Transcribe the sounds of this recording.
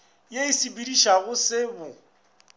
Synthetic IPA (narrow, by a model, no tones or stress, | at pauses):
jeisibidiʃaɣʊsɪbʊ